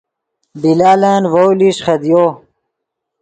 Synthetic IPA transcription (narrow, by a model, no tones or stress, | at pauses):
bilaːlaːnwowliɕχɐd̪joː